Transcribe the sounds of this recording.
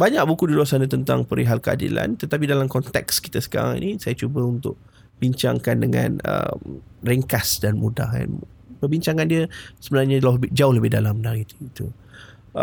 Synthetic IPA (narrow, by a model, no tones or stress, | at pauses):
baɲaʔ̚bukuduluasanat̪ənt̪a̰ŋpəɾiɦalkəa̰dḭla̰nt̪ət̪ap̬idalamkɔnt̪ɛkski̥t̪asə̥ka̰ɾa̰ŋḭnisajat͡ʃubəunt̪ʊʔ̚ | b̥iɲt͡ʃaŋkandəŋã̰nə̰mriŋkasdanmuda̰ɦa̰n | pərbiɲt͡ʃaŋãndiəsəbənarɲalaʊhəbɪd͡ʒaʊhləbɪhdalamənaɾit̪it̪u